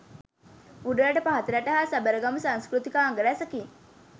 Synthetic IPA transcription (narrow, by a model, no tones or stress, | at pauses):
puɖəɾaʈəpaɦat̪əɾæʈəɦaːsæbəɾəɡaməsãŋskɾut̪ikaːŋɡəɾæsəkiŋ